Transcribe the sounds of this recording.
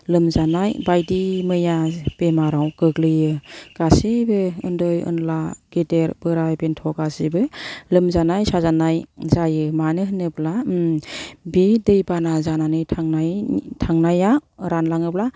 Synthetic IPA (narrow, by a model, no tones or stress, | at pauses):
lɯmzanajbajdimɯjab̥emaɾawkɯklɯjɯɡ̥asibɯɯ̰ndɔjɯ̰nlaɡ̥eteɾbɯɾajbentʰɔɡasibɯlɯmzanajsazanajzajɯmanɯɦɯnɯpla | bedɯjbanazananɯjtʰaŋnajtʰaŋnajaɾanlaŋɯp̚la